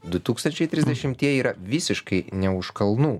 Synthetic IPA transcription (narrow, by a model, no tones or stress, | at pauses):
d̪ʊt̪uːkst̪ɐnʲt͡ʃʲɛɪt̪ʲɾʲɪzʲd̪ʲɛʃʲɪmt̪ʲiɛiːɾɐʋʲɪsʲɪʃkɐɪnʲɛʊʃkɐlˠnuː